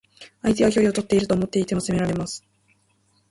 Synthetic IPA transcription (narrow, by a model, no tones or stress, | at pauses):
ait̪e̞akʲo̞ɾʲio̞t̪o̞t̪ːe̞iɾɯ̟t̪oːmo̞t̪ːe̞it̪e̞moseme̞ɾaɾe̞masɨ̥